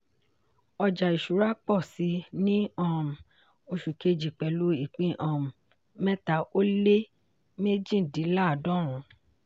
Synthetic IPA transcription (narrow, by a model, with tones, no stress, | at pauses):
ɔ˧d͡ʒa˨i˨ʃu˨˦ɾa˦k͡pɔ˦˨si˨˧˦nĩ˦ã˦˨m̩˨ | o˧ʃu˨ke˧d͡ʒi˨k͡pɛ˨lu˧i˨k͡pĩ˧ʔã˨ | mɛ̃˦ta˧˨ʔo˦le˦ | me˦d͡ʒĩ˦˨di˨˦la˦˨dɔ̃˦ɾ̃ũ˨˦